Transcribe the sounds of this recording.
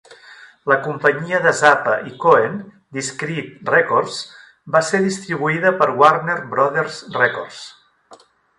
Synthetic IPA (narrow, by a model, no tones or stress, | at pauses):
ləkumpəɲiəðəzapəʔikoen | d̪iskɾit̪rɛkoɾs | baseðist̪ɾiβuiðəpəɾwarneɾbɾɔðeɾzrɛkɔrs